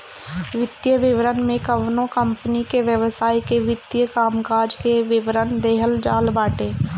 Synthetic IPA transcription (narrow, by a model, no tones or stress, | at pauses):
ʋɪt̪jəʋɪʋɾənmẽkəʋnõkəmpnikeʋjəʋsaːikeʋɪt̪jəkaːmkaːd͡ʒkeʋɪʋɾənd̪eːɦəld͡ʒaːlbaːʈẽː